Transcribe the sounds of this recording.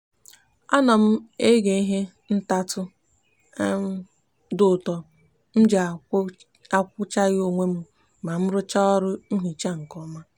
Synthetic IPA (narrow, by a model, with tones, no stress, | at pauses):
a˦nɔ˨m̩˦e˦ɡe˨i˦ɦe˦ | n̩˦ta˦tʊ˦ | m̩˦ | dʊ˦˨tɔ˨ | m̩˦d͡ʒ | a˦kʷʊ˦t͡ʃa˦ɣo˨ŋʷe˦m̩˦ | ma˨m̩˦ɾʊ˦t͡ʃa˦ɔ˦ɾʊ˦n̩˦ɦi˨t͡ʃa˦ŋ̩˨kɔ˦ma˦